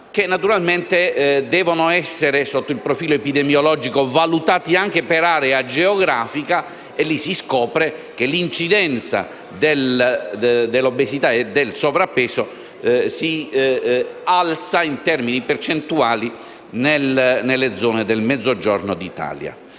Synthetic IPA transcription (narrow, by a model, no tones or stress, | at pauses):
k̟enːat̪uɾalment̪ed̪ɛːvonoɛsːeɾesot̪ːoilpɾofiːloepid̪ɛmjolɔːd͡ʒikovalut̪aːt̪iaŋk̟epeɾaːɾead͡ʒeoɡɾaːfika | elːisiskɔːpɾekelint͡ʃid̪ɛnt̪sa̰ | d̪el | d̪elːobːesit̪aed̪elsovɾapːɛːso | si | alt̪saint̪ɛrminipert͡ʃent̪uaːli | nelnelːed̪zɔːned̪elmɛd̪zːod͡ʒɔrnod̪it̪a̰ːlja̰